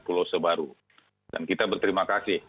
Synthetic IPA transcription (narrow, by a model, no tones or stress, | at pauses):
pulosəbaɾu | da̰nkit̪abərt̪əɾimakasɪh